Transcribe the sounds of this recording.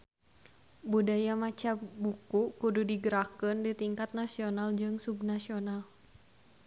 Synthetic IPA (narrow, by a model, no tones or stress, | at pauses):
budajamat͡ʃabukuʔkududiɡəɾakəndit̪iŋkat̪̚nasionald͡ʒɨŋsubnasional